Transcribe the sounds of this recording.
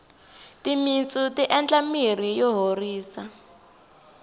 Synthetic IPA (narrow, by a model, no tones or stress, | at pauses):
timint͡sʼutiʔɛnt͡ɬamir̤ijɔɦoriːsa